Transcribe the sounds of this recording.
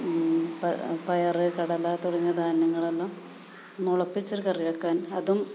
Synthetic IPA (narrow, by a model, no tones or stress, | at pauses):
pɐpɐjɐrɨkɐɽɐlat̪urɐɲːɐd̪aːnːɐŋːɐɭelːoː | nuɭɐpːit͡ɕːoɾukɐriʋɐkːaːnɐðum